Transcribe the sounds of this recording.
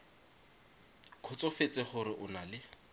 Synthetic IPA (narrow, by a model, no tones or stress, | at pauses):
kʰʊt͡sɔfet͡sʼɪχʊɾɪʔʊnalɪ